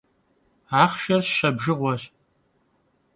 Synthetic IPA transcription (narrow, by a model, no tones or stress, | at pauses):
aːχʃɐrɕɕɐbʒɨʁʷɔɕ